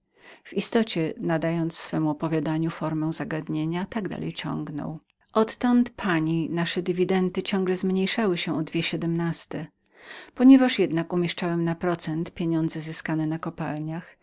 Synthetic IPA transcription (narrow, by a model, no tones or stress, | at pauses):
v̥ist̪ɔt͡ɕɛnad̪ajɔnt̪ssfɛmuɔpɔvʲjad̪aɲufɔɾmɛw̃zaɡad̪ɲeɲat̪aɡd̪a̰lʔɛ̰jt͡ɕɔ̰̃ŋɡnɔ̰w | ʔɔt̪ːɔnt̪pʰaɲinaʂɛd̪ɘvʲid̪ɛnt̪ɘt͡ɕɔ̃ŋɡlɛzmɲejʂawɘɕɛʔɔd̪vʲjɛɕɛd̪ɛmnast̪ɛ | pɔɲɛvaʂjɛd̪nakumʲjɛʂt͡ʂawɛmnapɾɔt̪sɛnt̪pʲjeɲɔnd̪zɛzɘskanɛnakɔpalɲax